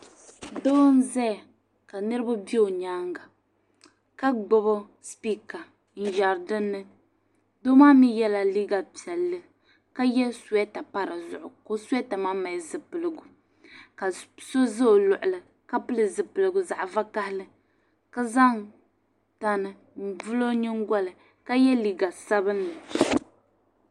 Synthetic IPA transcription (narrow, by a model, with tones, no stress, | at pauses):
doː˦n̩˦zɛ˦˨ | ka˨nɨ˦ɾɨ˦ba˦bi˦o˨ɲaː˦ŋɡa˨ | ka˦ɡ͡bɔ˦bɔ˦ | spi˦ka˨ | n̩˨ja˨ɾdɨ˦nːɨ˦ | do˦maː˦mi˦jɛ˦la˦li˦ɡa˨pi˨ɛ˨lːɨ˦ | ka˦jɛ˦su˨ɛ˦ta˨pa˦ɾɨ˨zʊ̰˨ʔʊ˨ko˦su˦ɛ˦ta˨ma˦ma˨zɨ˨pɨ˨lɨ˨ɡʊ˨ | ka˨so˦zɨ˦o˨lʊ˨ʔʊ˨lɨ˨ | ka˦pɨ˦lɨ˨zɨ˨pɨ˨lɨ˨ɡʊ˨za˨ʔva˦ka˦hɪ˦lɨ˦ | ka˦za˦n | ta˦nɨ˨ | n̩˨vɨ˦lo˦ɲɨ˦ŋ˦ɡɔ˦lɨ˨ | ka˦jɛ˦li˨ɡa˨sa˦bɨ˦nːɨ˨